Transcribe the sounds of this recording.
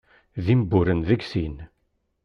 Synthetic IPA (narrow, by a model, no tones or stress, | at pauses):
ðimbːʊɾənðəɡsin